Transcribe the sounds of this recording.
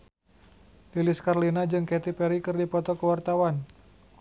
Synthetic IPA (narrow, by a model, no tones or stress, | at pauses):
liliskarlinad͡ʒɨŋkɛt̪ipɛɾikɨrdipɔt̪ɔkəwart̪awan